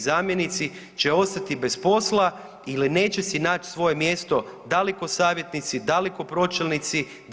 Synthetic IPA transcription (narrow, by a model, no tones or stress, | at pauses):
zaːmje̞nit̪si | t͡ɕeo̞st̪at̪ibe̞spo̞slˠa | iline̞ːt͡ɕe̞sinaːt͡ʃsʋo̞je̞mje̞st̪o̞d̪aleko̞saːʋje̞t̪nit̪sid̪aleko̞pɾo̞t͡ʃelʲnit̪si | d̪